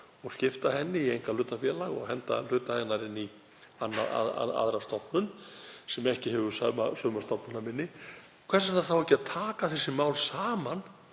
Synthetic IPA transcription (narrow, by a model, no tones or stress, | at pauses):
ɔɣscɪft̪aɦɛnːɪiejŋkalʏːt̪afjɛːlaɣɔ̰ɣɦɛnt̪a̰l̥ʏːt̪aaɣnaɾɪnːi | anːaa̰a̰a̰ðɾast̪ɔhpnʏnsɛmɛhcɪɦɛvʏsœmasœːmast̪ɔpnʏnamɪnːɪ | kʰv̥ɛɾsanaɾθawɛhcɪaðt̪ʰaːkaθɛsːɪmaːwlsaːman